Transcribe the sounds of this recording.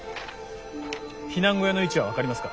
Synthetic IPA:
çinãŋɡojano̞it͡ɕiβaβakaɾʲimasɨ̥ka

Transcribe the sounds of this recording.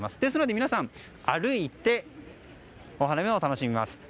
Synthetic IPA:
masɨ̥d̪e̞s̬ɨno̞d̪e̞mʲinasãɴ | aɾɯ̟it̪ːe̞ | o̞ɦanameo̞t̪ano̞ɕimʲima̰sɨ̥

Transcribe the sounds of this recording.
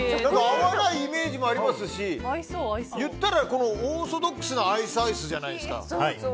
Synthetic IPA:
nãŋkaːβanaiːme̞ːʑimoaɾʲimasɨɕi | jɯ̟t̪ːaɾako̞no̞oːsod̪o̞kːɯ̥sɨnoaisɨaisɨʑanaid̪e̞sɨ̥ka̰

